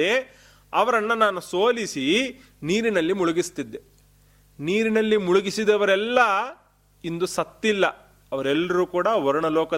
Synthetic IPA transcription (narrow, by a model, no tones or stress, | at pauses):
e | ɐʋɐɾɐnːɐnaːnusoːlisi | niːɾinɐlːimuɭuɡist̪id̪ːe | niːɾinɐlːimuɭuɡisid̪ɐʋɐɾɛlːɐ | ind̪usɐt̪ːilːɐ | ɐʋɐɾɛlːɐɾuːkuːɽɐʋɔɾɐɳɐlɔːkɐ